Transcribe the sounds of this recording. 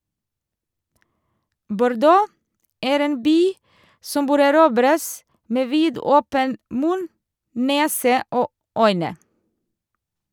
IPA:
bʊɾˈdoː ˈæːɾ ˈeːn ˈbyː ˈsɔm ˈbøːɾ æˈɾuːbɾəs ˈmeː ˈʋiːdɔpən ˈmʉn ˈneːsə ˈoː ˈœʏnə

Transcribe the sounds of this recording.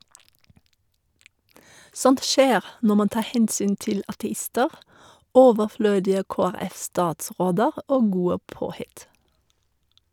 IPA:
ˈsɔnt ˈʃeːʁ ˈnɔ ˈmɑn ˈtɑː ˈhɛnsyːn ˈtɪl ɑtɛˈɪstəʁ ˈoːʋəˌfløːdɪə ˌkoːæˈʁɛfstɑːtˌsʁoːdəʁ ˈoː ˈɡuːə ˈpoːˌhɪt

